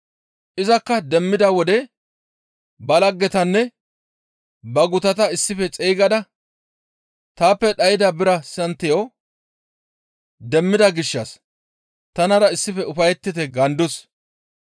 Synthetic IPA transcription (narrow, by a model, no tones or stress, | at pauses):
ʔɪzɐkːɐd̪ɛmːɪd̪ɐwɔd̪ɛ | bɐlɐɡːɛt̪ɐnːɛ | bɐɡʊt̪ɐt̪ɐɪsːɪfɛt͡sʼejɡɐd̪ɐ | t̪aːpːɛɗɐjɪd̪ɐbɪɾɐsɐnt̪ːɪjo | d̪ɛmːɪd̪ɐɡɪʃːɐs | t̪ɐnɐɾɐɪsːɪfɛʊfɐjɛt̪ːɪt̪ɛɡɐnd̪ʊs